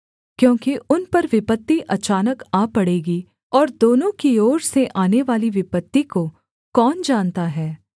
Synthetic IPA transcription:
kjõːkiʔʊnpɐɾʋɪpət̪ːiʔɐt͡ʃaːnəkaːpɐɽeːɡi | ɔːɾd̪oːnõkioːɾseʔaːneʋaːliʋɪpət̪ːiko | kɔːnd͡ʒaːnt̪aɦɛː

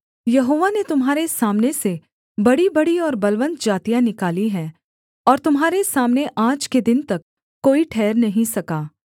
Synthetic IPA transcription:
jɐɦoːʋanet̪ʊmɦaːɾesaːmnese | bɐɽibɐɽiɔːɾbɐlʋə̃nt̪d͡ʒaːt̪ijanɪkaːliɦɛː | ɔːɾt̪ʊmɦaːɾesaːmneʔaːd͡ʒked̪ɪnt̪ɐkː | oːiʈʰɛːɾnɐɦĩsɐkaː

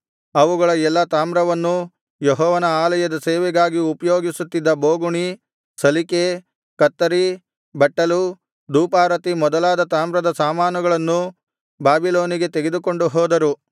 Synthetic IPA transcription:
ɐʋuɡɐɭɐɛlːɐt̪aːmɾɐʋɐnːu | jeɦɔːʋɐnɐaːlɐjɐd̪ɐseːʋɛɡaːɡiupɐjoːɡisut̪ːid̪ːɐboːɡuɳi | sɐlike | kɐt̪ːɐɾi | bɐʈːɐlu | d̪uːpaːɾɐt̪imɔd̪ɐlaːd̪ɐt̪aːmɾɐd̪ɐsaːmaːnuɡɐɭɐnːu | baːbiloːniɡe̞t̪eɡe̞d̪uko̞ɳɖuɦɔːd̪ɐɾu

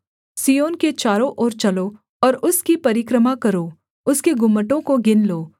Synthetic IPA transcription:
sijoːnket͡ʃaːɾõʔɔːɾt͡ʃɐlo | ɔːɾʊskipɐɾɪkɾəmakɐɾoː | ʊskeɡʊmːəʈõkoɡɪnloː

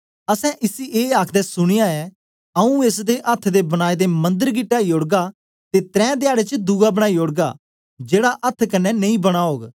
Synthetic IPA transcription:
ɐsɛ̃ʔɪsiʔeːaːkʰd̪ɛsʊɽ̃ɪjaɛː | əũeːsd̪eʔət̪ʰːd̪ebɐɽ̃aːid̪emɐ̃nd̪əɾɡɪʈːaːioɽɡa | t̪et̪ɾɛ̃ːd̪ɪjaːɽet͡ʃəd̪uɡabəɽ̃aːioːɽɡa̰ː | d͡ʒeːɽaʔɐt̪ʰːkɐnːɛnɐ̃ĩːbɐɽ̃aːɦoːɡ

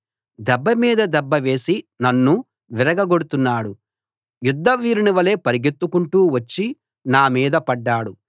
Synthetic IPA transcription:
d̪ɛbːɐmiːd̪ɐd̪ɛbːɐʋe̞ːsinɐnːu | ʋiɾɐɡɐɡoɽut̪unːaːɽu | jud̪ːɐʋiːɾiniʋɐle̞ːpɐɾiɡet̪ːukuɳʈuːʋɐt͡ʃːi | naːmiːd̪ɐpɐɖːaːɽu

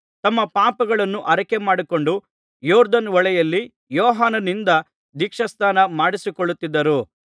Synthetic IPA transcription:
t̪ɐmːɐpaːpɐɡɐɭɐnːuʔɐɾɐkemaːɽiko̞ɳɖu | jɔːɾd̪ɐnʋɔɭɛjɐlːi | jɔːɦaːnɐnind̪ɐ | d̪ikʂɐst̪aːnɐmaːɽisikoɭːut̪ːid̪ːɐɾu

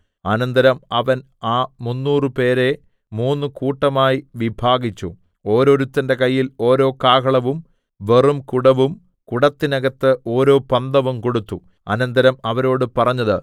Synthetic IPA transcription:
ɐnɐnd̪ɐɾɐmɐʋɐn | aːmunːuːrɨpe̞ːɾe̞ | muːnːɨkuːʈːɐmaːjiʋibʱaːɡit͡ɕːṵ | o̞ːɾo̞ːɾut̪ːɐnde̞kɐjːilo̞ːɾo̞ːkaːkɐɭɐʋum | ʋe̞rumkuɽɐʋum | kuɽɐt̪ːinɐɡɐt̪ːɨʔo̞ːɾo̞ːpɐnd̪ɐʋumko̞ɽut̪ːu | ɐ̰nɐnd̪ɐɾɐmɐʋɐɾo̞ːɽɨpɐrɐɲːɐðɨ

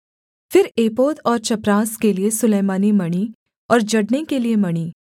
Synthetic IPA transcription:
fɪɾeːpoːt̪ɔːɾt͡ʃɐpɾaːskeliesʊleːmaːnimɐɽ̃i | ɔːɾd͡ʒɐɽnekeliemɐɽ̃iː

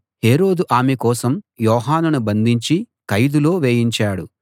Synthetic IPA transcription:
he̞ːɾo̞ːd̪uʔaːmɛkɔːsɐmjɔːɦaːnɐnubɐnd̪ʱiɲt͡ʃi | kɐjd̪ulo̞ːʋeːjiɲt͡ʃaːɽu

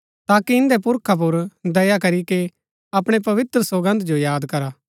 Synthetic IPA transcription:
t̪aːkiɪ̃nd̪ɛpʊɾkʰap̬ʊɾd̪ɐjakɐɾike | ɐpɽ̃ep̬ɐʋɪt̪ɾəsoɡə̃nd̪d͡ʒojaːd̪kɐɾaː

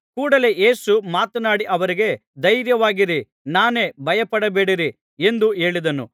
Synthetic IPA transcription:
kuːɽɐle̞ʔe̞ːsumaːt̪ɐnaːɽiʔɐʋɐɾiɡe̞d̪ɐjɾjɐʋaːɡiɾi | naːne̞ːbʱɐjɐpɐɽɐbe̞ːɽiɾi | end̪ue̞ːɭid̪ɐnṵ

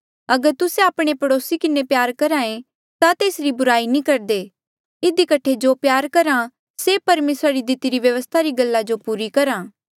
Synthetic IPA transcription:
ɐɡəɾt̪ʊseaːpɽ̃epɐɽoːsikɪnepjaːɾkɐɾaːẽ | t̪at̪eːsɾibʊɾaːinĩkɐɾd̪eː | ɪd̪ikɐʈʰed͡ʒopjaːɾkɐɾã | sepɐɾmeːsɾaɾid̪ɪt̪iɾiʋjɐʋəst̪ʰaɾiɡɐlːad͡ʒopuːɾikɐɾãː

